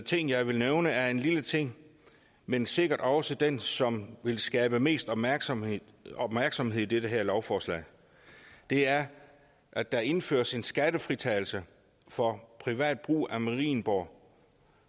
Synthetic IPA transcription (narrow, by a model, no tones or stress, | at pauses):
t͡sʰe̝ŋ̰jɑ̈ɪʋe̝lneʊnəæɐe̝nlilət͡sʰe̝ŋ̰ | mense̝ɡ̥ɐd̥ɒ̽səd̥ensɒ̽mʋe̝lsɡ̥ɛːb̥əme̝̰ːsd̥ɒ̽b̥mæɐɡ̥ | ɒ̽b̥mæɐɡ̥sɒ̽mɦe̝ð̰ˠi̥eɾəɦæɐlɒʊfɒːslɛ̰ɪ | d̥e̝æɐ | ʔæ̥ɑ̈e̝nfø̰ːɐse̝nsɡ̥æɾəfʁit͡sʰɛːɪl̩sə | fɒ̽pʰʁiʋɛ̰ːd̥̚b̥ʁṵːʔæmæʁḭːnb̥ɒ̰